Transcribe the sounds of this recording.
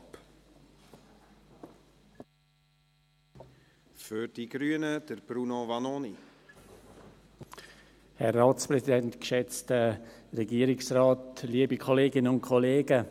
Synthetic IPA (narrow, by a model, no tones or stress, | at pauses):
p | fyɾd̥iɡ̥ɾyənəd̥əɾb̥ɾunovɑnoni | hɛrːaːtspɾɛsidɛntkʃɛt͡stəɾɛɡiːəɾɪksraːtliːəbikʰɔleːɡɪnəʊnt̚kʰɔleːɡə